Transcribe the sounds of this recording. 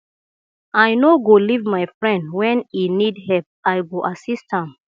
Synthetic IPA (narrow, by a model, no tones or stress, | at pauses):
ajnoɡolivmaɪfɹɛ̃ndwɛ̃ninidhɛlp̚ajɡoʔasisthãm